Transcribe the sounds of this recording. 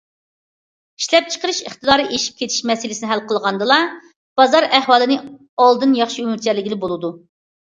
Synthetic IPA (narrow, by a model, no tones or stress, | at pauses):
i̥ʃlɛp̚t͡ʃʰə̥qəɾɨʃəχt̪ɨd̪ɑːɾɨʔeʃi̥p̚kʲʰet̪ʰi̥ʃmɛsɪlɪsɪnɪɦælqʰəlˠʁɑnd̪ɨlˠɑ | b̥ɑzɑɾɛhwɑːlˠɨnɨ | ɑlˠd̪ɨnjɑχʃiymɪɾt͡ʃʰɛɾlɪɡʲilɪbolˠɨd̪u